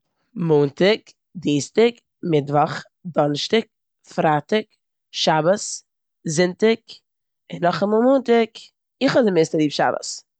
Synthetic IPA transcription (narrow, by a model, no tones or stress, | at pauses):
muːntɪk | diːstɪk | mɪtvɔχ | dɔnʃtɪk̚ | fɾaːtɪk | ʃabəs | zɪntɪk | ɪnːɔχamɔːlˠmuːntɪk | ɪχɔdɪmeːstəɾiːpʃa̰bə̰s